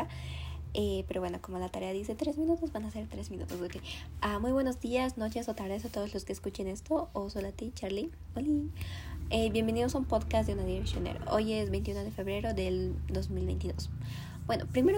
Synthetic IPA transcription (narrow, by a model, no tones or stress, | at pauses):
a | epe̞ɾo̞βwe̞no̞ko̞molat̪aɾe̞aðise̞t̪ɾe̞zmĩnut̪o̞zbanase̞ɾt̪ɾe̞zmĩnṵt̪o̞zðokeamujβwe̞no̞zðiasno̞t͡ʃe̞sot̪aɣɾaðesat̪o̞ðo̞zlo̞ske̞ːskut͡ʃe̞ne̞st̪oosolat̪it͡ʃaɾli | oli | eβje̞mbe̞niðosaumpo̞ðkas̬d̪eunaðiɾeksjonḛɾo̰ʔo̞je̞zβe̞jnt̪iunoð̞e̞fe̞βɾe̞ɾo̞ðe̞ld̪o̞zmilβejnt̪iðo̞̰s | b̥we̞no̞pɾimeo